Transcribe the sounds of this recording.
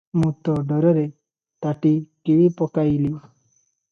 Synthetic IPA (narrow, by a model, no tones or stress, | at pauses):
mũt̪ɔɖɔɾɔɾe | t̪aʈikiʋipɔkailu